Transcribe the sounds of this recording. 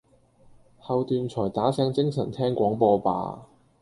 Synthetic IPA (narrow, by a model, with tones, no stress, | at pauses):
hɐ˨˧wt̪yː˨˧nt͡ʃʰɔː˨˩jt̪aː˨˥sɛː˧˥ŋt͡sɪ˥ŋsɐ˨˩nt̪ʰɛː˥ŋkʷɔː˨˥ŋpɔː˧pa̰ː˨˧